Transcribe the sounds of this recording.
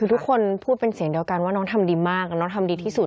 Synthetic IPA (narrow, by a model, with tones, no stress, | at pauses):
ɯː˧t̪ʰkʰːo˧npʰuː˥˩t̪̚pe˧nsi˩˦əŋdi˧əwka˧nwaː˥˩nɔː˦˥ŋt̪ʰa˧mdiː˧maː˥˩k̚nɔː˦˥ŋt̪ʰa˧mdiː˧t̪ʰiː˥˩su˨˩t̪̚